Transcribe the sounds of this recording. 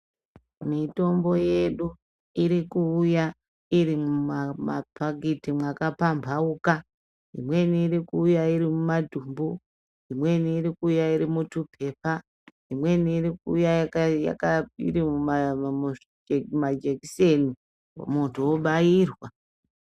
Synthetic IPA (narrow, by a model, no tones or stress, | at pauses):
mito̞mbo̞je̞ɗu | iɾikuːja | iɾimummapaɡitimwakapambʱauka | ḭmwe̞niːɾikuːjaiɾimumadʱumbu | imwe̞niːɾikuːjaiɾimutupʰe̞pa | imwe̞niːrikuːjaja̰kaḭɾimu | mad͡ʒekisenḭ | muntʰowoɓairwa